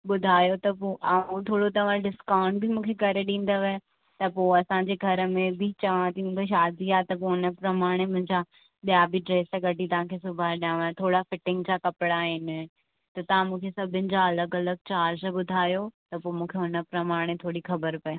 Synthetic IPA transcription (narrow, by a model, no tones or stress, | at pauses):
ɓʊd̪ʱaːjot̪ɐpoʔaũt̪ʰoːɽot̪ɐʋ̤ãɖɪskaːʊ̃ɳɖ̚bʱimũːkʰekɐɾeɗĩːn̆d̪oʋ | t̪ɐpoːɐsãːɲd͡ʑeːɡʱɐɾəmẽbʱit͡ɕɐʋãt̪ʰimũːkʰeʃ̬aːd̪ʱiaːet̪ɐp̬oʊnə̆pɾɐmaːɽ̃emʊ̃ɦɪ̃ɲd͡ʑa | ɗijabʱiɖɾeːsɡɐʈit̪ɐʋ̤ãkʰesʊbʱaɗiãʋt̪ʰoːɽafɪʈɪ̃ŋɡd͡ʑakɐpɪɽaːɦɪnɪ̆ | t̪ɐt̪ɐʋ̤ãmũːkʰesɐbʱɪnɪ̆d͡ʑaɐləɡɐləɡ̚t͡ɕaːɾd͡ʑɓʊd̪ʱaːjot̪ɐpoːmũːkʰeʊnə̆pɾɐmaːɽ̃et̪ʰoːɽixɐbəɾpɐe